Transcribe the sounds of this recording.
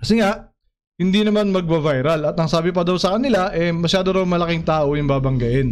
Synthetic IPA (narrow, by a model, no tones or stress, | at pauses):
kɐsɪŋaʔ | hɪnd̪iːnɐmanmɐɡ̚bɐvajɾɐlɐt̪ɐŋsaːbɪpɐd̪ɐwsɐkɐnɪlaʔɛmɐʃaːd̪oɾɐwmɐlɐkɪŋt̪aːʔojʊŋbaːbɐŋɡɐʔɛn